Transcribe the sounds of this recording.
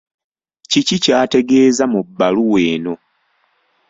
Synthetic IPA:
cicicaːte̞ɡe̞ːzamubːaluwe̞ːno̞

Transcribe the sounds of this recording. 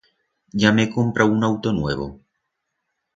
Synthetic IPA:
ʎamekompɾʔaunawt̪onweβ̞o̰

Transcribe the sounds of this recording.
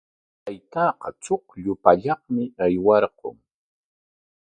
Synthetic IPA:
t̪ajt̪ɑːqɑt͡soχʎʊpaʎɑχmɪajwɑɾqo̰ŋ

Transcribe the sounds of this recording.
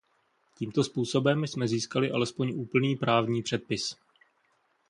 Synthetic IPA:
ciːmt̪o̞spuːso̞bɛmsmɛziːskalɪʔa̰lɛspo̞ɲʔuːpl̩niːpɾaːvɲiːpr̥ɛt̪̚pɪs

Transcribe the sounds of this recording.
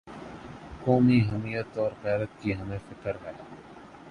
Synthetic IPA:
koːmiɦəmiːjət̪ɔːɾqɛːɾət̪̚kiːɦɐmẽfɪkəɾɦɛː

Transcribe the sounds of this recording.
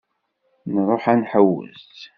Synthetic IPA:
nɾˤoħænħəwːə̰zt̪

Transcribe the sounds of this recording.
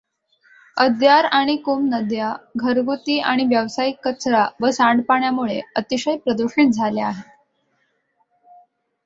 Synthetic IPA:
əd̪jaɾaɽ̃ikumnəd̪jaɡʱəɾɡut̪iːʔaɽ̃iʋjəʋsaikːət͡sɾaʋəsaɳɖpaɳjamuɭḛət̪iɕəjpɾəd̪uɕiːt̪̚d͡zʱaleaɦe

